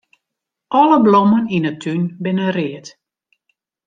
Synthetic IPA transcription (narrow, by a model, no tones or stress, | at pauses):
ʔɔləblɔməninətʰːynbɪnərɪət